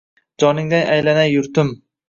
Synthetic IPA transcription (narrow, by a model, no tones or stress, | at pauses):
d͡ʒɒnɪŋd̪anʔajlanajʊɾt̪ʊm